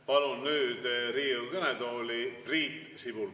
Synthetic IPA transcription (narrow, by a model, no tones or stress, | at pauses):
pɑlunːyːd̪̥riːwkɤned̪oːlʲipriːt̪ː | sibul